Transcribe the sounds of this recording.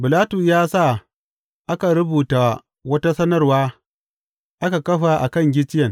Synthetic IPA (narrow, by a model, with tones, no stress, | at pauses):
bɪ˨laː˦tu˨sjaː˦sa˦˨ | ʔa˦ka˨ɾʊ˦buː˨ta˨ | wɐ˦ta˦sɐ˦nɐ˦rwaː˦ | ʔa˦ka˨kɐ˦ɸa˨ʔa˨kɐ˦˨ŋɡʲɪ˦t͡ʃɪ˦jɐ˨ŋ